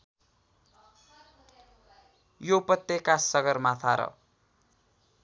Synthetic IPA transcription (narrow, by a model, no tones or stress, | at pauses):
jopʌt̪ːekːasʌɡʌrmat̪ʰaɾʌ̰